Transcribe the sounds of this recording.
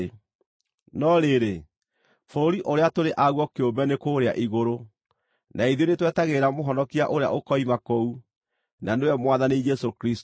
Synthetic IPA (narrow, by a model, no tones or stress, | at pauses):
nɔɾeɾe | foɾoɾiʔoɾeatoɾeʔaɣwɔkeombɛnekoɾeaʔiɣoɾo | nʔaiðionetwɛtaɣeɾamoɦɔnɔkia̰ʔoɾea̰ʔokɔimakɔu | nanewɛmwaðanid͡ʒɛsokɾist